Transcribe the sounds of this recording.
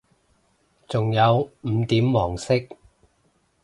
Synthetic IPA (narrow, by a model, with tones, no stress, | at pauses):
t͡sʊ˨ŋjɐ˨˧wm̩˨˧˦t̪iː˨˥mwɔː˨˩ŋsɪ˥k̚